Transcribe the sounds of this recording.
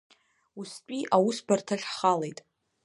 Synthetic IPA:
ust͡pʷʼiʔawusbartʰaɬχalejtʼ

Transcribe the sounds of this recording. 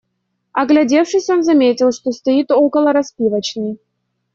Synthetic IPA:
ɐɡlʲɐdʲe̞fʂɨsʲo̞nzɐmʲetʲɪlˠʂt̪o̞st̪ɐit̪o̞kəlˠəɾɐspʲivət͡ɕnɨj

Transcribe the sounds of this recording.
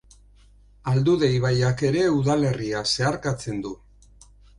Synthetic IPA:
ald̪uðe̞jβ̞ajake̞ɾe̞uðale̞riase̞aɾkat͡se̞nd̪u

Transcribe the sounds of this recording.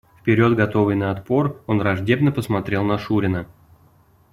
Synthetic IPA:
fpʲɪɾʲo̞d̪ɡɐt̪o̞vɨjnəːt̪po̞ro̞nrɐʐdʲe̞bnəpəsmɐt̪ɾʲe̞lˠnɐʂuɾʲɪnə

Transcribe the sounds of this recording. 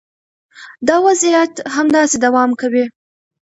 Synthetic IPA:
d̪ɑwazijat̪ɦamd̪ɑsed̪awɑmkawi

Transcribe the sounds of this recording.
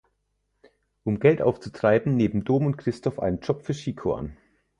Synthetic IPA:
ʔʊmɡɛltʔa̰ʊft͡sutʁ̥aɪbm̩neːbm̩doːmʊntkʁ̥ɪstɔfʔa̰ɪnənd͡ʒɔpfyːɐʃiːkʰo̰ʔa̰n

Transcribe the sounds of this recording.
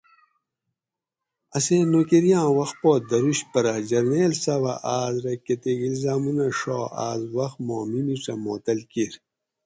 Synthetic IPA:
ɐsenokeɾjãːwɐxpoːd̪ɐɾuɕpɐɾɐd͡ʑɐɾneːlsɐwɐʔaːzɾɐket̪eɡilzaːmunɐʂoːa̰ːzwɐxmoːmimiʈ͡ʂɐmoːt̪ɐlkiɾ

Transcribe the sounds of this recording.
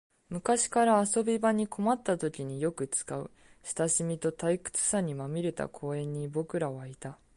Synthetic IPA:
mɯ̟kaɕi̥kaɾaːso̞bʲibaɲ̟iko̞mat̪ːat̪o̞kʲiɲ̟ijo̞kɯ̟t͡sɨ̥kaɯ̟̰ | ɕi̥t̪aɕimʲit̪o̞t̪aikɯ̟̥t͡sɨ̥saɲ̟imamʲiɾe̞t̪a̰kʰo̞ːẽ̞ɲ̟ːibo̞kɯ̟ɾaβait̪a

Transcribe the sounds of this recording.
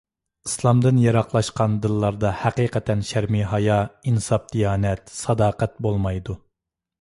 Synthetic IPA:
islˠɑmd̪ɨnjɑɾɑqlˠɑʃqɑnd̪ɨlˠːɑɾd̪ɑhæqiːqɛt̪ʰɛnʃæɾmiɦɑjɑinsɑp̚d̪̥ijɑːnɛt̪sɑd̪ɑːqɛt̪̚bolˠmɑjd̪u

